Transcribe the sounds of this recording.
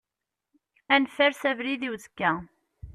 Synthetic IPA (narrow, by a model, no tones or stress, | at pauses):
ænfæɾsævliðiwzə̥kːæ